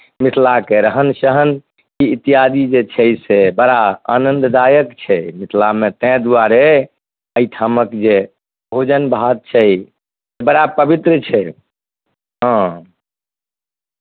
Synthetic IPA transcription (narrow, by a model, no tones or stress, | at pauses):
misʰlakeɾəɦənsəɦən | kiit̪ijad̪id͡ʒet͡ʃʰɛjsebəɾaa̰nənd̪d̪ajəkt͡ʃʰɛmisʰlamet̪ɛ̃d̪aɾe | əit̪ʰaməkd͡ʒe | bʱod͡ʒənbʱad̪̚t͡ʃʰɛ | sebəɽapəbit̪ɾət͡ʃʰɛ | ɦã